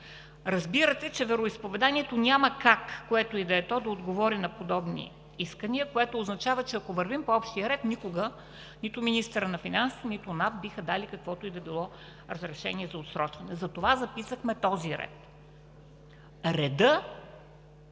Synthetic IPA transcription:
ɾɐzbiɾət̪ɛt͡ʃɛvɛɾoispovɛd̪aniɛt̪onʲaməkakːoɛt̪oid̪ɐɛt̪ɔd̪ɐod̪ɡovɔɾinɐpod̪ɔbnḭ | iskəniəkoɛt̪oːznɐt͡ʃavət͡ʃɛɐkovəɾvimpoɔpʃt̪iəɾɛt̪nikoɡə | nit̪ʊminist̪əɾənɐfinansinit̪ʊnafbixəd̪alikɐkvɔt̪oid̪ɐbilˠɔ | ɾəzɾɛʃɛniɛzɐot̪sɾɔt͡ʃvɐnɛzɐt̪ovazɐpisəxmɛt̪ɔziɾɛ̰t̪ | ɾɛd̪ɤ

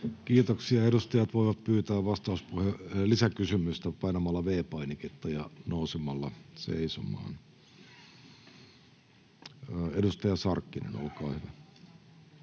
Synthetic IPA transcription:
kiːt̪oksiɑeɾust̪ɑjɑt̪ʋoiʋɑt̪̚pyːt̪æːʋʋɑst̪ɑuspuhelisækysymyst̪æpɑinɑmɑlːɑʋeːpɑiniket̪ːɑjɑnousemɑlːɑsḛisomɑ̰ːn | edust̪ɑjɑsɑrkːinḛno̰lkɑ̰ːhyʋæ

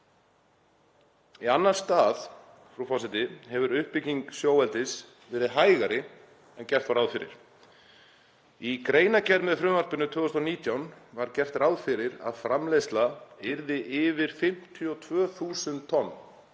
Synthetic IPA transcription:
ianːaɾ̥st̪aːð | fɾufɔsɪt̪ɪɦɛvʏɾʏhpɪciŋksjoːwɛlt̪ɪs | vɛːɾɪðɦaːjɣaɾɪ | ɛncɛr̥t̪vaɾawðfɪɾɪ̰ɾ̥ | ikɾeːjnacɛɾmɛðfɾʏmvaɾ̥pʏnːʏt̪ʰʏːɣʏst̪ɔniːt̪jawnvaɾcɛr̥t̪rawðfɪɾɪɾa̰ðfɾamlejst̪laɪɾðɪʔɪːvɪɾ̥fɪm̥t̪ʰiɔt̪ʰvœːθuːsʏntt̪ʰɔnː

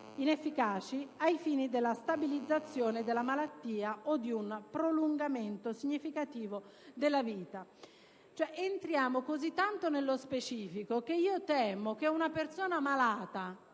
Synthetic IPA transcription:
inefːikaːt͡ʃiajfiːnid̪elːast̪abilid̪zːat̪sːjoːned̪elːamalat̪ːiːaʔod̪ːiunpɾoluŋɡament̪osiɲːifikat̪iːvo | d̪elːaviːt̪a | t͡ʃoɛʔent̪ɾjaːmokozit̪ːant̪onelːospet͡ʃiːfikok̟eiːot̪ɛːmok̟eunapersoːnamalaːt̪a

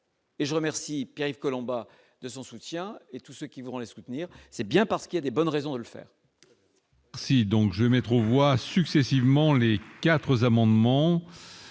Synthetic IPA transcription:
eʒəʁəmɛʁsipjeʁivkɔlɔ̃ba | d̪əsɔ̃sut̪jɛ̃et̪usøkʲivuʁɑ̃lesut̪niːʁsɛbjɛ̃paʁsə̥kʲiljad̪ebɔnʁezɔ̃d̪ələfɛ̰ːʁ | ɛʁsid̪ɔ̃kʒəvemɛt̪χovwasyksɛsivmɑ̃lekat̪χəzamɑ̃d̪mɑ̃

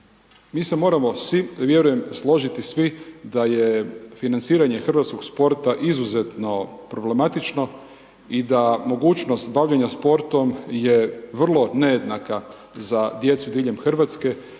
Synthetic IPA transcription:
miːse̞mo̞ːɾamo̞sʋiʋje̞ɾuje̞mslˠo̞ʒit̪isʋid̪aje̞finant̪siːɾaɲe̞xr̩ʋat̪skoɡspo̞ɾt̪aʔizuze̞t̪no̞pɾo̞ble̞mat̪it͡ʃno̞ | id̪amo̞ɡuːt͡ʃno̞st̪baʋʎaɲaspo̞ɾt̪o̞mje̞ʋr̩lˠo̞ne̞jed̪naka | zad̪je̞t̪sud̪iːʎemxr̩ʋat̪ske̞

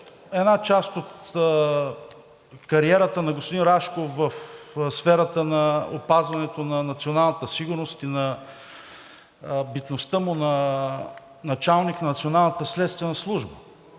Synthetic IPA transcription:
ɛnat͡ʃast̪ot̪ | kɐɾiɛɾət̪ənɐɡospod̪inɾaʃkovəfsfɛɾət̪ənɐopazvɐnɛt̪onɐnɐt̪sionalˠnət̪əsiɡʊɾnost̪inɐ | bit̪nost̪əmʊnɐ | nɐt͡ʃalˠniknɐnɐt̪sionalˠnət̪əslɛt̪st̪vɛnɐslˠuʒbə

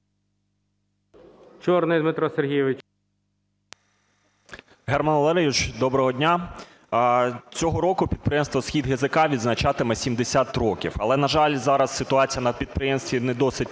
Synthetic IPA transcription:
t͡ʃɔɾnɪjd̪mɪt̪ɾɔserɦʲijɛʋɪt͡ʃ | ɦɛrmɐnlˠɛɾejʲut͡ʃd̪ɔbɾɔɦɔdʲnʲa | t͡sʲɔɦɔɾɔkʊpʲid̪pɾɪjemst̪ʋɔsxʲid̪ɦezɪkɑʋʲid̪znɐt͡ʃɑt̪ɪmɛsʲimd̪esʲat̪ɾɔkʲḭwɐlˠɛnɐʒɑlʲzɑɾɐsːɪt̪ʊɑt͡sʲijɐnɐpʲid̪̚pɾɪjɛmst̪ʋʲinɛd̪ɔsɪtʲ

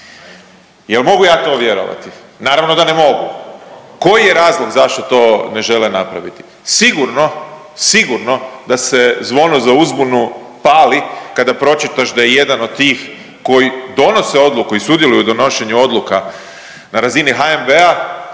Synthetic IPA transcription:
jelmo̞ɡujaːt̪o̞ʋje̞ɾo̰ʋa̰t̪i | naːɾaʋno̞d̪ane̞mo̞ɡuko̞jije̞ɾaːzlˠo̞ɡzaʃt̪o̞t̪o̞ːne̞ʒe̞lenapɾa̰ʋit̪i̥ | siɡuɾno̞ | siɡuɾno̞d̪ase̞zʋo̞nozauzbunu | paːlikad̪apɾo̞t͡ʃit̪aʃd̪ajeje̞d̪ano̞d̪̚t̪iːx | ko̞jid̪o̞no̞se̞o̞d̪lukuisud̪jelujud̪o̞no̞ʃe̞ɲuo̞d̪luka | naɾaziniɦaembea

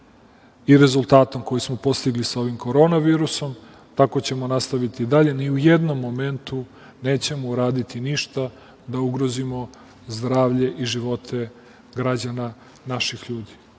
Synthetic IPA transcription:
iɾe̞zulˠt̪aːt̪o̞mko̞jismo̞po̞st̪iɡlisao̞ʋimko̞ɾo̞naʋiːɾuso̞m | t̪ako̞t͡ɕe̞mo̞nast̪aʋit̪id̪aʎe̞niuje̞d̪no̞mːo̞me̞nt̪u | neːt͡ɕe̞mouɾaːd̪it̪iniʃt̪a | d̪auɡɾo̞zimo̞ | zd̪ɾaːʋʎe̞ʔiʒiʋo̞t̪ʰe̞ | ɡɾad͡ʑana | naʃixʎuːd̪i̥

